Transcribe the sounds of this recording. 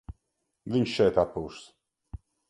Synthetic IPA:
viɲʃʃɛjt̪at̪̚puwʃs

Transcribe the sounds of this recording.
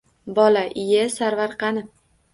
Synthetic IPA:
bɒlaʔɪjasaɾvaɾqɑnɪ

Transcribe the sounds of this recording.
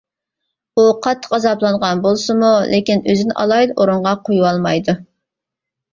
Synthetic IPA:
uqʰɑt̪ʰːə̥qɑzɑplˠɑɴʁɑnbolˠsɨmulʔɪkʲinøzɪnɪʔɑ̰lˠɑjd̪oɾuɴʁɑqʰojuwɑlˠmɑjd̪u

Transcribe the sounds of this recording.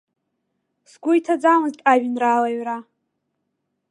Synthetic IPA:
sɡʷʊjtʰad͡zamɨztʼaʒᶣnraːlaɥra

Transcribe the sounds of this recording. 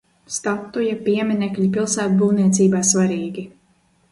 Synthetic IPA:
st̪at̪ːujapiɛmʲinʲɛkʎʲipilˠsæːt̪buːniɛt̪siːbaːsvaɾiːɡʲi

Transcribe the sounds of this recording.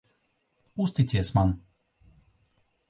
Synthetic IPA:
ust̪it̪siɛsman

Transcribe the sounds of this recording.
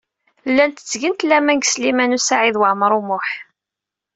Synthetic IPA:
lːænt̪ət͡sːʝənt̪læmæŋɡslimænusaʕiðwaʕməɾˤumʊħ

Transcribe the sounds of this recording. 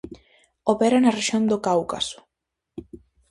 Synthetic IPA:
opeɾanɐreʃjond̪okawkasʊ̥

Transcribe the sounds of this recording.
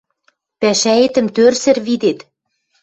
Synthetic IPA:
pæʃæet̪ə̆mt̪ørsɘ̆rβid̪et̪

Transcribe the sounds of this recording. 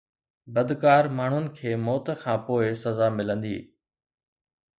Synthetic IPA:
bɐd̪kaːɾmaːɳ̤ʊnɪ̆kʰeːmɔːt̪kʰãːpoːɪsɐzaːmɪlə̃nd̪ḭː

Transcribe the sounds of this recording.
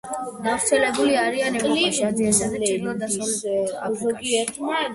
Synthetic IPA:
ɡavɾt̪sʰɛlɛbuliaɾianɛliad̪iand̪aad̪asɔla̰zɔɡiɛt̪ʰma

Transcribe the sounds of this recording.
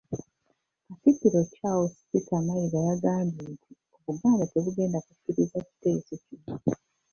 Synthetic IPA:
kasitːiɾo̞cawosi̥pitʰamaiɡajaɡaːmdintʰi | oβuɡaːmbate̞βuɡe̞ːndakukːiɾizaci̥te̞ːsocino

